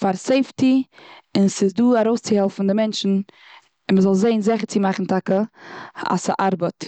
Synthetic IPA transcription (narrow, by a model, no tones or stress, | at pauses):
faɾseɪftiɪnsɪzduːaɾoʊst͡sɪhɛlˠfn̩dɪmɛnʃn̩ | ɪnməzɔlˠzeɪnzɛχəɾt͡sɪmaχn̩tʰakə | a̰sa̰ʔaɾbət